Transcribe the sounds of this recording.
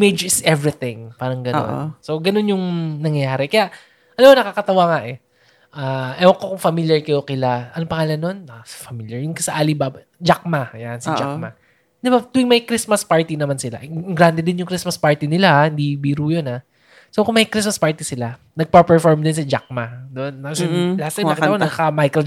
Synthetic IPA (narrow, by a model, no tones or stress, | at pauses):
med͡ʒɪsʔɛvɹɪt̪ɪ̃ŋpaːɾɐŋɡɐno̰nn̰so̞ɡɐno̞njʊŋnɐŋjɐjaːɾɛkɐjaʔ | ʔɐlɐmonɐkakɐt̪ɐwaːŋaʔɛ | ʔaːʔɛwɐkːokʊŋfɐmiljɐɹkɐjokɪlaʔɐnopɐŋaːlɐnːonafɐmiljɐɹjʊŋkɐsɐʔaːlibab | d͡ʒak̚majansɪd͡ʒa̰kmɐ | d̪ɪbat̪uɪŋmɐjkɾismɐspaɹt̪inɐmansɪla̰ʔɛŋɡɾand̪ɛd̪ɪnjʊŋkɾismɐspaɹt̪inɪlahahɪnd̪ibiːɾuːjonha | so̞kʊŋmɐjkɾismɐspaɹt̪isɪla | nɐɡ̚pɐpɛɹfoɹmd̪ɪns̬ɐd͡ʒa̰k̚mad̪onːɐɐlɐat̪̚ɐɐkɐaanɐkamajko